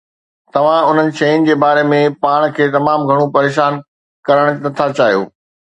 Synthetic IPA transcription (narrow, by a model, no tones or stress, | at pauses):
t̪ɐʋ̤ãʊn̤ənɪ̆ʃɐjʊnɪ̆d͡ʑeːbaːɾemẽpaːɽ̃kʰeːt̪ɐmaːmɡʱɐɽ̃opɐɾeːʃaːn | kɐɾəɽ̃nɐt̪ʰat͡ɕaːɦijo̰ː